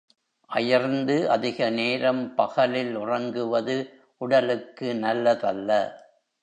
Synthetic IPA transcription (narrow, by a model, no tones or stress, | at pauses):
ʔɐjɐɾnd̪ɯʔɐðɪɣɐneːɾɐmpɐɣɐlɪlʊrɐŋɡɯʋɐðɯ | ʔʊɽɐlɯkːɯnɐlːɐðɐlːɐ